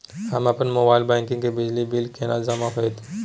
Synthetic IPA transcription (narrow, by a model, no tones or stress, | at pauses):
həmɐpənmoːbaːɪlbɛ̃ːkɪ̃ŋɡkebɪd͡ʒlibilkʰeːnad͡ʒɐmakəet̪